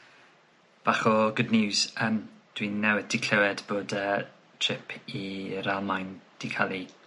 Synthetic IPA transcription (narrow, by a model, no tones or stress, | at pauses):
b̥aχɔɡʊdnɪwzəːmd̥winːɛwɛd̥ikʰlɛwɛdboːdəː | tʰr̥ɪpʰiɾalˠmajnd̥ikʰalˠi